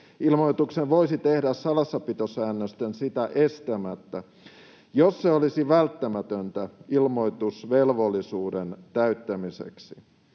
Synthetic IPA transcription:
ilmoit̪ukseʋʋoisit̪ehdæssɑlɑsːɑpit̪osæːnːøst̪ensit̪æʔest̪æmæt̪ːæ | josːeolisiʋælt̪ːæmæt̪ønt̪æʔilmoit̪usʋelʋolːisuːdent̪æyt̪ːæmisḛksi

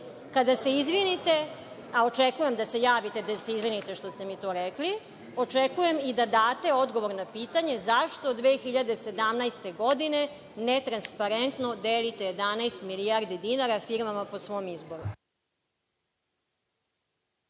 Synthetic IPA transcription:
kad̪ase̞izʋinit̪e | aot͡ʃekuje̞md̪ase̞jaːʋit̪ed̪aseizʋinit̪eʃt̪ost̪e̞mit̪oːɾekli | o̞t͡ʃekuje̞mid̪ad̪aːt̪e̞o̞d̪ɡo̞ʋo̞ɾnapiːt̪aɲe̞zaʃt̪od̪ʋeːxiʎad̪e̞se̞d̪amnajst̪e̞ɡod̪ine̞ | net̪ɾanspaɾent̪nod̪eːlit̪ejed̪anajst̪milijaɾd̪id̪inaɾafiɾmamaposʋo̞ːmizbo̞ɾu

